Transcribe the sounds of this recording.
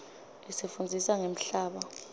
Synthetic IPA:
lisefund͡zʱisaŋem̩ɬaːɓa

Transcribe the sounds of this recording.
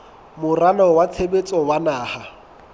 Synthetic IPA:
mʊralɔwat͡sʰebet͡sʼɔwanaːha

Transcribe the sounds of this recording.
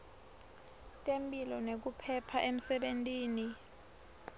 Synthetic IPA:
tʼempʼilɔnek̬upʰɛpʰaʔem̩sɛɓentʼiːni

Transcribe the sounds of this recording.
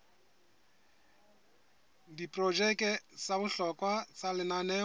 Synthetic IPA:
dipʼrɔd͡ʒɛkʼɛsabʊɬɔkʼwat͡sʼalɪnanɛː

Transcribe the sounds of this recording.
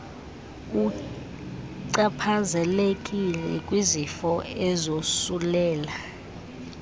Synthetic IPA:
u | ǀapʰazɛlekʼilɛkʼwizifɔɛzosulɛːla

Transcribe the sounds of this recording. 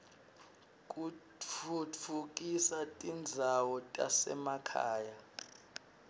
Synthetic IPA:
kʼut͡fʰut͡fʰuk̬ʼisatʼind͡zʱawɔtʼa̰sɛ̰makʰa̰ːja

